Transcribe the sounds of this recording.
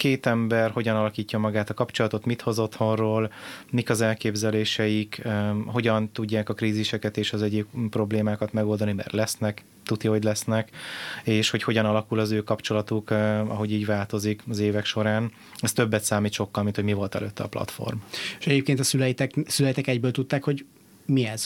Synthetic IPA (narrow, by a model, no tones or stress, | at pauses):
keːt̪ɛmbɛrho̞ɟɒnɒlɒkiːcːɒmɒɡaːt̪ɒkɒpt͡ʃo̞lɒt̪o̞t̪mit̪ho̞zo̞t̪ho̞nroːlmikɒzɛlkeːbzɛleːʃɛjikho̞ɟɒnt̪uɟːaːkɒkɾiːziʃɛkɛt̪eːʃɒzɛɟikpːro̞bleːmaːkɒt̪mɛɡo̞ld̪ɒnimɛ̰rlɛsnɛk | t̪ut̪ioɟlɛsnɛkeːʃho̞cho̞ɟɒnɒlɒkulɒzøːkɒpt͡ʃo̞lɒt̪ukɒ̰ɦo̞ɟiːɟʋaːlt̪o̞zikɒzeːvɛkʃo̞ɾaːn | ɛst̪ø̞bːɛt̪saːmiːt̪ʃo̞kːɒlmint̪ho̞ɟmivo̞lt̪ɛ̰løːt̪ːɛɒ̰plɒ̰t̪fo̰rmeʃɛɟeːp̚keːnt̪ɒsylɛjt̪ɛksylɛjit̪ɛkɛɟbøːlt̪ut̪ːaːkho̞ɟ | miɛz̥